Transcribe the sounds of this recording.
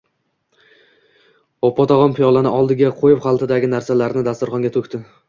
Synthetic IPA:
ɒpːɒt̪ʰɒʁɒnpʰɪjɒlˠanɪɒlˠd̪ɪɡʲaqʰojɪpχɑlˠt̪ʰɪd̪aɡʲɪnaɾsalaɾnɪd̪ast̪ʊɾχɒŋɡʲat̪ʰɵkʲt̪ɪ

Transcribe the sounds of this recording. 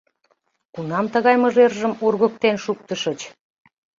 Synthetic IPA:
kunɑmt̪əɣɑjməʒerʒəmurɣə̆k̚t̪enʃuk̚t̪əʃət͡ɕ

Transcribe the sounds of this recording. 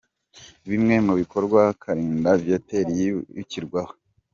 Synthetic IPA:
βimŋe̞muβiko̞ɾɡwakʰaɾiːndavjateɾijjuciɾɡwaho

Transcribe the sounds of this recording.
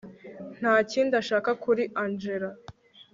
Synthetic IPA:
n̥haːciːndaʃaːkakuɾiʔand͡ʒe̞ɾa

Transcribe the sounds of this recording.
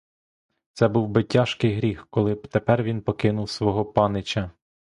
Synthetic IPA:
t̪sɛbuwbɪtʲɑʃkɪjɦɾʲixkɔlˠɪt̪epɛrʋʲinpɔkɪnʊwsʋɔɦɔpɑnɪt͡ʃʲɐ

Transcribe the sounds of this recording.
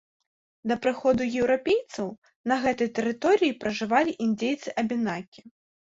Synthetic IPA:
d̪ɐpɾɨxɔd̪ujɛwɾapʲejt̪sɐw | nɐɣɛt̪ɐjt̪ɛɾɨt̪ɔɾɨjipɾɐʐɨvalʲiʔind͡zʲejt̪sɨʔɐbʲinakʲi̥

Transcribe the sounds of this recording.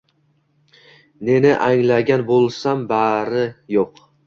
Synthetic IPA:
ne̞nɪʔaŋlaɡʲanbolˠsambaɾɪjoq

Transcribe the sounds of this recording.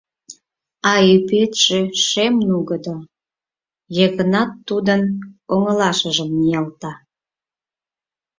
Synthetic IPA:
ɑypet̪ʒ̥eʃemnuɣəd̪o | jəɣənɑt̪ːud̪ənoŋəlɑʃəʒəmːijɑlt̪ɑ

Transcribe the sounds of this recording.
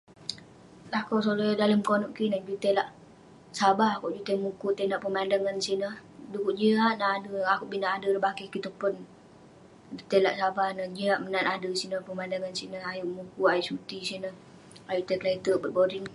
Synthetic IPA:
lakosolodaləmkonɔʔkinəhd͡ʒut̪elaʔ | sabahakuʔd͡ʒut̪emukut̪enaʔpəmandaŋansinəhdukuʔd͡ʒiɦaʔnaʔadəakuʔbinaʔadəɾəbakəhkit̪upʊn | d͡ʒut̪ɛlaʔsabahnəhd͡ʒiɦaʔmənanadəsinəpəmandaŋansinəajuʔmukuajiʔsut̪isinəh | ajut̪ɛklait̪əbət̪̚boɾin

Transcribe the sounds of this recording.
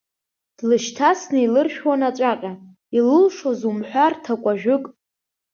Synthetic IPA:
d̥lɨʃtʰasnɨilɨrʃᶣwanat͡ʃʷʼaqʲʼa | ilɨlʂozumħʷᶣartʰakʷʼaʒᶣʊkʼ

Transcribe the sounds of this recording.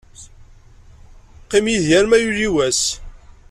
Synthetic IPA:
qːimjiðjæɾmæjuliwæs

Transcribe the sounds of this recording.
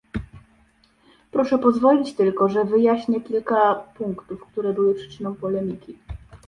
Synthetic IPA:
pɾɔʂɛpɔzvɔlʲit͡ɕt̪ɘlkɔʐɛvɘjaɕɲɛkʲilkapuŋkt̪ufkt̪uɾɛbɘwɘpʂɘ̥t͡ʂɘnɔ̃w̃pɔlɛmʲikʲi

